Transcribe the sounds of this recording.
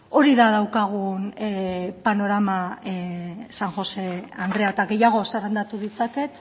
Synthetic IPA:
o̞ɾiðað̞awkaɣ̞un | pano̞ɾama | saŋxo̞se̞and̪re̞at̪aɣe̞jaɣ̞o̞saɾand̪at̪uðit͡sake̞t̪

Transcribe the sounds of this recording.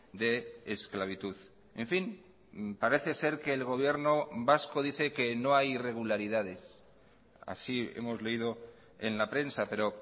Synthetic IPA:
d̪e̞ːsklaβ̞it̪uð | ḛɱfin | paɾe̞θe̞se̞ɾke̞ːlɣ̞o̞β̞je̞ɾno̞βasko̞ðiθeke̞no̞ajire̞ɣ̞ulaɾiðaðe̞s | a̰sie̞̰mo̞zle̞iðo̞ | e̞̰nlapɾe̞nsape̞ɾo̞

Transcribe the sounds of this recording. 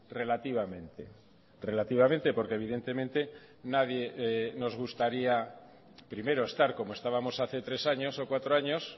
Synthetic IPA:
re̞lat̪iβ̞amẽ̞nt̪e | re̞lat̪iβament̪e̞po̞ɾkeβiðe̞nt̪e̞mẽnt̪e̞ | naðje̞no̞zɣ̞ust̪aɾia | pɾime̞ɾoest̪aɾko̞moe̞st̪aβamosaθe̞t̪ɾe̞saɲo̞so̞kwat̪ɾoaɲo̞s

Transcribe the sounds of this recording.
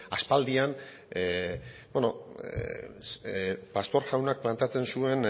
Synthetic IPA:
aspald̪ian | beno | past̪o̞ɾʝawnak̚plant̪eat͡se̞nsue̞n

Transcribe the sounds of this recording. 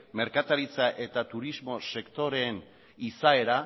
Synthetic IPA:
me̞ɾkat̪aɾit͡saʔe̞t̪at̪uɾizmo̞se̞kt̪o̞ɾe̞ːn | isae̞ɾa

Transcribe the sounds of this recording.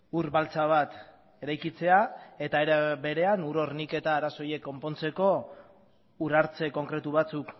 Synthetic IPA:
uɾβalt͡saβ̞at̪ | e̞ɾajkit͡se̞ae̞t̪aeɾbe̞ɾe̞anuɾo̞ɾnike̞t̪aːɾaso̞je̞kːo̞mpo̞nt͡se̞ko̞ | uɾaɾt͡se̞ko̞ŋkɾe̞t̪uβat͡suk

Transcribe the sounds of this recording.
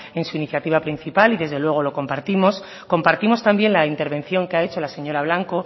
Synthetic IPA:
e̞nsuiniθjat̪iβapɾin̟θipaliðe̞zðe̞lwe̞ɣ̞o̞lo̞ko̞mpaɾt̪imo̞s | ko̞mpaɾt̪imo̞st̪ambje̞nlaint̪e̞ɾβe̞nθjo̞ŋkeae̞t͡ʃo̞lase̞ɲo̞ɾaβ̞laŋko

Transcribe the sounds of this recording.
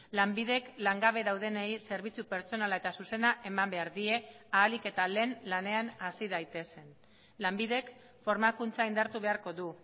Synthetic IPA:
lambiðe̞klaŋɡaβ̞e̞ðawðe̞neijse̞ɾβ̞it͡supe̞ɾt͡so̞nalae̞t̪asuse̞naʔe̞mambe̞aɾðie̞aːlike̞t̪ale̞ːnlane̞anasiðajt̪e̞se̞n | lambiðe̞k | fo̞ɾmakunt͡saind̪aɾt̪uβ̞e̞aɾko̞ðu

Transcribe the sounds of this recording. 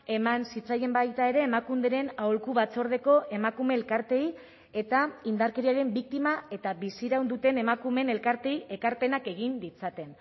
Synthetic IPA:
e̞mansit͡saje̞mbajt̪ae̞ɾe̞ːmakund̪eɾe̞nawlkuβat͡so̞ɾð̞e̞ko̞ʔe̞makume̞ːlkaɾt̪e̞j | e̞t̪aind̪aɾke̞ɾiaɾe̞mbik̚t̪imae̞t̪aβisiɾawnd̪ut̪e̞ne̞makume̞ne̞lkaɾt̪e̞iʔe̞kaɾpe̞nake̞ɣ̞ind̪it͡sat̪e̞n

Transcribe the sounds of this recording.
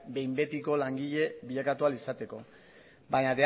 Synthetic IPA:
be̞jmbe̞t̪iko̞laŋɡiʎe̞biʎakat̪ualisat̪e̞ko̞ | baɲade

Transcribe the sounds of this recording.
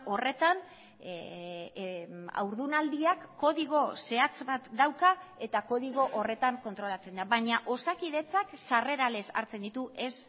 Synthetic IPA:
o̞re̞t̪an | a̰wɾðunald̪iakːo̞ðiɣ̞o̞se̞at͡sbat̪d̪awkae̞t̪ako̞ðiɣ̞o̞ʔore̞t̪aŋko̞nt̪ɾo̞lat͡se̞nd̪aβaɲaʔo̞sakið̞e̞t͡saksare̞ɾale̞sa̰ɾt͡se̞nd̪it̪uʔe̞s

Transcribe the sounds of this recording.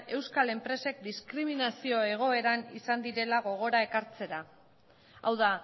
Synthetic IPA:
e̞wskale̞mpɾe̞se̞k̚d̪iskɾiminasio̞e̞ɣ̞o̞e̞ɾanḭsand̪iɾe̞laɣ̞o̞ɣ̞o̞ɾae̞kaɾt͡se̞ɾa | a̰wða

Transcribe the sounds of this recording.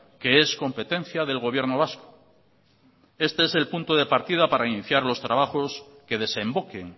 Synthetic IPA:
ke̞esko̞mpe̞t̪ẽ̞n̟θjaðe̞lɣo̞β̞je̞ɾnoβ̞asko̥ | e̞st̪e̞ese̞lpunt̪oð̞e̞paɾt̪ið̞apaɾainiθjaɾlo̞st̪ɾaβaxo̞s | ke̞ð̞e̞se̞mbo̞keŋ

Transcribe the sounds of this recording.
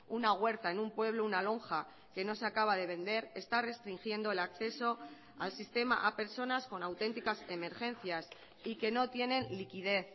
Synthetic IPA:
unaɣwe̞ɾt̪ae̞numpwe̞β̞lounalo̞ŋxa | ke̞no̞se̞akaβ̞að̞e̞β̞ẽ̞nd̪e̞ɾe̞st̪are̞st̪ɾiŋxje̞nd̪o̞e̞lakθe̞so̞ | a̰lsist̪e̞ma̰ʔape̞ɾso̞nasko̞nawt̪e̞nt̪ikase̞me̞ɾxẽ̞nθjas | ike̞no̞t̪je̞nẽ̞nlikið̞e̞θ

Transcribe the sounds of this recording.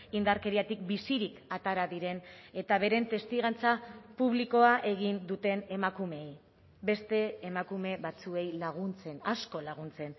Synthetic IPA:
ind̪aɾke̞ɾiat̪ik̚bisiɾikat̪aɾaðiɾe̞ne̞t̪aβ̞e̞ɾe̞nt̪e̞st̪iɣant͡sapuβliko̞aʔe̞ɣ̞ind̪ut̪e̞ne̞makume̞j | be̞st̪e̞ːmakume̞βat͡sue̞jlaɣ̞unt͡se̞nasko̞laɣ̞unt͡se̞n

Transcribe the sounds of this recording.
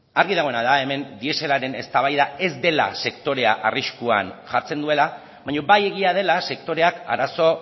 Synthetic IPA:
aɾɣiðaɣ̞o̞e̞naðae̞me̞nd̪ie̞se̞laɾe̞ne̞st̪aβ̞ajðae̞zd̪e̞la̰se̞kt̪o̞ɾe̞a̰ʔariskua̰nʝaɾt͡se̞nd̪ue̞la | βaɲo̞baje̞ɣ̞iað̞e̞lase̞kt̪o̞ɾe̞aka̰ɾaso̞

